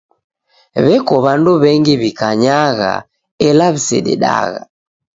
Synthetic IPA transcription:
βɛkɔβanduβɛŋɡiβikaɲaɣa̰ | ɛlaβisɛ̰ɗɛ̰ɗa̰ɣa

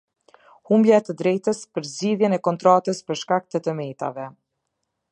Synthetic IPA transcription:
humbjaɛt̪əd̪ɾɛjt̪əspəɾzd͡ʑiðjɛnɛkɔnt̪ɾat̪əspəɾʃkak̚t̪ət̪əmɛjt̪a̰vɛ

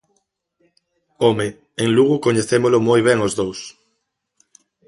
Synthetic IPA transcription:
ome | eŋluɣukoɲeθemolomojβ̞eŋozðows

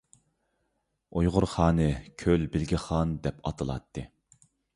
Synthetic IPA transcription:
ojʁʊɾχɑːnɨkʲʰølbɪlɡʲiχɑnd̪ɛpʰɑt̪ʰɨlˠɑ̰t̪ʰːɨ

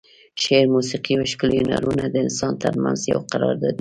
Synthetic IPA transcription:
ʃeɾmusiqiawʃkʊljuna̰ɾunad̪əɪnsɑnt̪əɾmanzja̰wqaɾɑɾd̪ɑd̪i

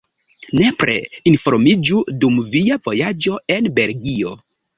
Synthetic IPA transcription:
ne̞pɾe̞̰info̞ɾmid͡ʒudumviavo̞jad͡ʒo̞e̞nbe̞lɡio̞

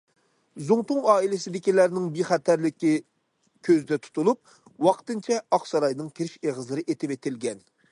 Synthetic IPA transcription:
zuŋt̪ʊŋɑːilɪsɪd̪ɪkʲilæɾnɪŋbeχæt̪ʰæɾlɪkʲi | kʲʰøzd̪ɛt̪ʰu̥t̪ʰulˠup̚ | wɑqt̪ɨnt͡ʃʰɛɑχsɑɾɑjnɨŋkʲʰeɾɪʃeʁəzlˠɨɾɨʔet̪ʰɪbet̪ʰɪlɡʲɛn

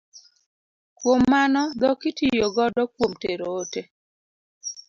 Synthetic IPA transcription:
kwomːanɔd̪ɔkɪtijoɡɔdɔkwomteɾoːte

